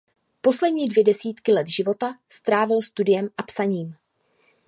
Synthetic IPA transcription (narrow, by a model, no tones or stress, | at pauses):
po̞slɛdɲiːdvjɛdɛsiːt̪kɪlɛt̪ʒɪvo̞t̪ast̪ɾaːvɪlst̪udɪjɛmʔapsaɲiːm